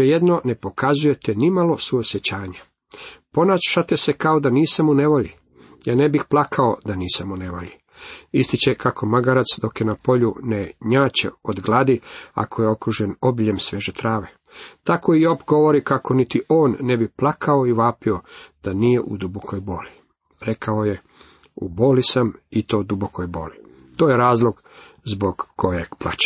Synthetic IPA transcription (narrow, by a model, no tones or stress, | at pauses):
ejed̪no̞nepo̞kazuje̞t̪enimalo̞suosjet͡ɕaːɲa | po̞naːt͡ɕʃat̪esekaod̪aniːsamune̞ʋo̞ʎi | jaːnebixplˠakʰao̞d̪aniːsamune̞ʋo̰ʎi | ist̪it͡ɕekakʰo̞maɡaɾat̪sd̪o̞kjenapo̞ʎuneɲaːt͡ɕḛod̪ɡlˠad̪ia̰kʰojeo̞kɾuʒe̞no̞biʎemsʋe̞ʒet̪ɾaːʋe̞ | t̪ako̞ijopɡo̞ʋo̞ɾikako̞nit̪iʔoːnːebiplˠakʰaoiʋaːpio̞d̪̥anije̞ʔṵd̪ubokʰo̞jbo̞ːli | ɾe̞kao̞je | ṵbo̞ːlisamit̪o̞ːd̪ubokʰo̞jbo̞ːli | t̪oːjeɾaːzlˠo̞ɡ | zbo̞ɡːo̞jeɡ̥plˠa̰t͡ɕe̥